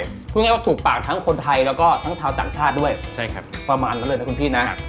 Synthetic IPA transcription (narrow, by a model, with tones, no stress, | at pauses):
u˥˩˨ŋa˥˩waː˥˩t̪ʰuː˨˩k̚paː˨˩k̚t̪ʰa˦˥ŋkʰo˧nt̪ʰa˧jlɛː˦˥wkɔː˥˩t̪ʰa˦˥ŋt͡ɕʰaː˧wt̪a̰ː˨˩ŋt͡ɕʰaː˥˩t̪̚du˥˩əjt͡ɕʰa˥˩jkʰa̰˦pɾa˧maː˧nlːlːjna˦˥kʰu˧nt̪ʰiː˥˩na˦˥ʔ